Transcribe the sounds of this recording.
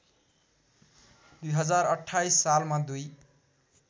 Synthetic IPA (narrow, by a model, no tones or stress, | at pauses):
d̪ujɦʌd͡zaɾʌʈʰːajsːalmad̪uj